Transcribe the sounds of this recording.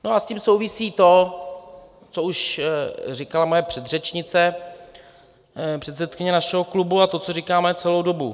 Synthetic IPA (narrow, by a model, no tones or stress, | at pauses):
no̞ʔasciːmso̞wvɪsiːt̪o̞ | t͡so̞uʃ | rɪkalamojɛpr̝̥ɛd̪r̝ɛt͡ʃɲɪt͡sɛ | pr̥ɛt̪sɛt̪kɪɲɛnaʃɛɦo̞klubuat̪o̞t͡so̞rikaːmɛt͡sɛlo̞wdo̞bu